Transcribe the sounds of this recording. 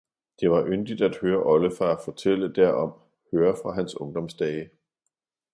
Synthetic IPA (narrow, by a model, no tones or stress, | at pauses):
d̥e̝ʋɑ̈ʔønd̥id̥æd̥høːɐʔɒ̽ləfɑæfɒt͡sʰel̰əd̥æɐ̰ɒ̽m | høːɐfʁɑ̈ɦænsɔ̽ŋd̥ɒ̽msd̥ɛːɪ